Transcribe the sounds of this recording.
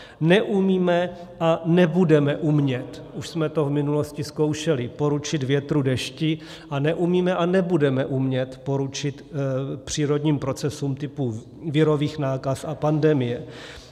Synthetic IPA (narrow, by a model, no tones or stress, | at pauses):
nɛʔumiːmɛ | ʔanɛbudɛmɛʔumɲɛt̪ | uʃsmɛt̪o̞vmɪnulo̞scɪsko̞wʃɛlɪpo̞ɾut͡ʃɪt̪vjɛt̪ɾudɛʃcɪ | ʔanɛʔumiːmɛʔanɛbudɛmɛʔumɲɛt̪po̞ɾut͡ʃɪt̪pr̝̥iːɾo̞dɲiːmpɾo̞t͡sɛsumt̪ɪpu | vɪɾo̞viːxnaːkasapandɛmɪjɛ